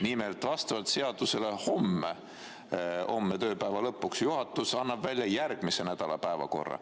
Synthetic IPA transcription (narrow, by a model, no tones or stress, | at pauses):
nimelt̪ˑvɑst̪ɑvɑlt̪se̞ɑd̪̥use̞le̞ho̞mːe | ho̞̰mːet̪ø̞ːpæevɑlɤpːˑuksjuɦɑt̪ːˑusɑnːɑb̥vælʲjɑjærɡ̥mise̞næd̪̥ɑlɑpæevɑ̰ko̞̰rːɑ̰